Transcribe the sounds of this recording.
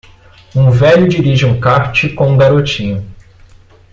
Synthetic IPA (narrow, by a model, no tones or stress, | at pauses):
ũvɛʎʊd͡ʒiɾiʒɪũkaɾt͡ʃɪkõũɡaɾot͡ʃĩɲʊ